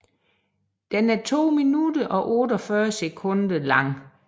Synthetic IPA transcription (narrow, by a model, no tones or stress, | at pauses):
d̥enæɐt͡sʰo̝̰ːminudɐʔɒ̽ʔɔdɒfɶɐsekʰɔ̽nd̥ɐlɑ̈ŋ̰